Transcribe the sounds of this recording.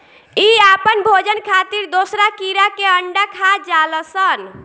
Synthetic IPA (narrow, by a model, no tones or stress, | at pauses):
iapənbʱod͡ʒənkʰat̪iɾd̪osɾakiɾakeəɳɖakʰad͡ʒaləsən